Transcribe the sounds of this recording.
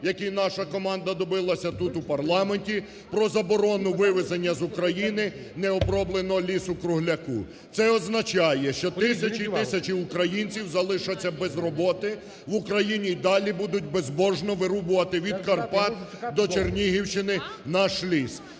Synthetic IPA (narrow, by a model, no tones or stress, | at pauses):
jɐkʲijnɑʃɐkɔmɑnd̪ɐd̪ɔbɪlˠɐsʲɐt̪ut̪upɐrlˠɑmenʲtʲi | pɾɔzɐbɔɾɔnʊʋɪʋɪzɐnʲːɐzʊkɾɐjinɪ | nɛɔbɾɔblˠenɔlʲisʊkɾʊɦlʲɐkṵ | t̪sɛɔznɐt͡ʃɑjɛʃt͡ʃɔt̪ɪsʲɐt͡ʃit̪ɪsʲɐt͡ʃɪʊkɾɐjinʲt͡sʲiwzɐlˠɪʃɐt͡sʲːɐbɛzrɔbɔt̪ɪ | ʋʊkɾɐjinʲiid̪ɑlʲibud̪ʊtʲbezbɔʒnɔʋɪɾubʊʋɐt̪ɪʋʲid̪kɐrpɑt̪̚d̪ɔt͡ʃernʲiɦiwʃt͡ʃɪnɪnɐʃlʲis